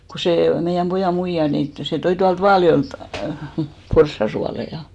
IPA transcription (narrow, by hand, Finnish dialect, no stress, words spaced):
ko seˑ meijæm pojɑˑ muijɑ nin tŏ se toi tuɑlt ʋɑːljoeˑlt porsːɑ suɑleĭjɑ